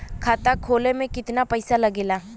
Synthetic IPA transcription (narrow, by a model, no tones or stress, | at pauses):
kʰaːt̪akʰoːlemẽkɪt̪napɐɪsalɐɡeːlaː